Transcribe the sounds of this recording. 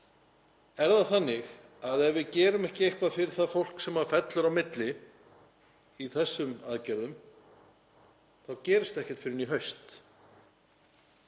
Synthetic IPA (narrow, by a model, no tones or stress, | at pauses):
ɛɾðaθanːɪx | aðɛvɪðcɛːɾʏmɛhcɪejhpafɪɾɪɾ̥θaðfowl̥ksɛmaɾfɛt̪lʏɾawmɪt̪lɪ | iθɛsːʏmaðcɛɾðʏm | θawcɛːɾɪst̪ɛhcɛɾ̥t̪fɪɾɪniɦœɥst̪